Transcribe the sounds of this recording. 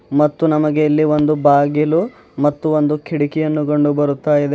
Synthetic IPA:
mɐt̪ːunɐmɐɡe̞ilːiʋo̞nd̪ubaːɡilu | mɐt̪ːuo̞nd̪ukʰiɽikijɐnːuko̞ɳɖubɐɾut̪ːaːjid̪e

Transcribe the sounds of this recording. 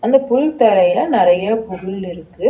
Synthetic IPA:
ɐnd̪ɐpʊɻt̪ɐɾɐjɪlɐnɪɾɐjɐpʊɣʊɪlɪɾɯkːɯ

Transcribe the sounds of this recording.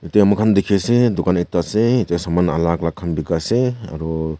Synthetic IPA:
itajamɯkʰand̪ikʰesed̪ukanitaseitajsamanalaklakʰanbikasea̰ɾɔ

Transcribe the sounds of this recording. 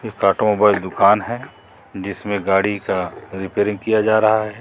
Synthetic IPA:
jeːkːaːʈomoːbaːɪld̪ʊkaːnɦɛ | d͡ʒɪsmẽɡaːɽikaɾɪpeːɾɪ̃ŋɡ̚kijad͡ʒaːɾɐɦaɦɛ

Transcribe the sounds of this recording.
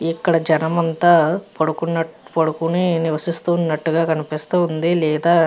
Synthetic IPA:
ikːɐɽɐd͡ʒɐnɐmɐnt̪aːpoɽukunːɐpoɽukuniniʋɐsist̪uːnːɐʈːuɡaːkɐnipist̪uːund̪ilɛːd̪aː

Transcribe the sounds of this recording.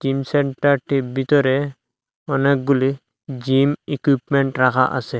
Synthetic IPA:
t͡ʃimsɛɳʈaɾʈibit̪ɔɾe | ɔnek̚ɡuli | d͡ʒimikipmeɳʈɾakʰaʔa̰sɛ

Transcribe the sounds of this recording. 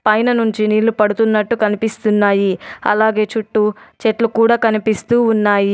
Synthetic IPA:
pɐjnɐnuɲt͡ʃiniːlːupɐɽut̪unːɐʈːukɐnipist̪unːaːjiɐ̰laːɡe̞ːt͡ʃuʈːut͡ʃeʈlukuːɽaːkɐnipist̪uːunːaːji

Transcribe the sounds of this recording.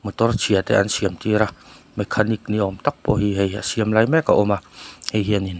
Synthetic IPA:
mət̪ɔrt͡ʃʰiat̪ɛ̰ʔa̰nsiəmt̪iɾah | mɛkʰːanik̚niɔmt̪ak̚pɔɦiɦeja̰siəmlajmɛkaʔomahejɦiənin

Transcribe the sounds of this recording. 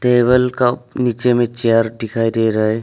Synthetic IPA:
t̪eːbəlkapnit͡ʃemẽt͡ʃeəɾɖɪkʰaːid̪eɾəɦe

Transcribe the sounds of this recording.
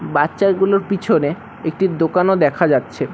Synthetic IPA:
batːɕaɾɡuloɾpit͡ɕʰone | ek̚ʈid̪okanod̪ɛkʰad͡ʑatːɕʰe

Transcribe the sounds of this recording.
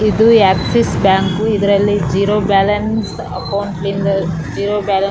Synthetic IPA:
id̪uaːksesbaːŋkuid̪ɐɾɐlːid͡ʒiːɾoːbaːlɐns | ɐkɐwuɳʈlind̪ɐ | d͡ʒiːɾoːbaːlɐ

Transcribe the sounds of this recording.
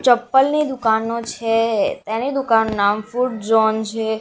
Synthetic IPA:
t͡ʃəpːəlnid̪ʊkanot͡ʃʰet̪ẽnid̪ʊkanːunamfuʈ̚d͡ʒɔnt͡ʃʰe

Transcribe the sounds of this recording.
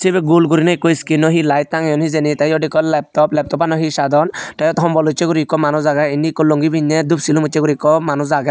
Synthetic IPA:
t͡ʃʰibɛɡulɡuɾinaikːɔiskinɔɦilajt̪̚ːaŋejɔnɦizenit̪ajɔɖikɔlɛp̚t̪ɔplɛp̚t̪ɔpanɔɦisad̪ɔnʈajɔt̪ɔɦɔmbɔlut͡ʃːeɡuɾikɔmanuzaɡainikːɔloŋɡibʱiɲːɛd̪upsilumut͡ʃːeɡuɾikɔmanuzaɡa

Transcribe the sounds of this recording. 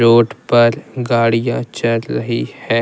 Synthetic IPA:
ɾoːʈpɐɾɡaːɽijãt͡ʃɐɾːɐɦihɛː

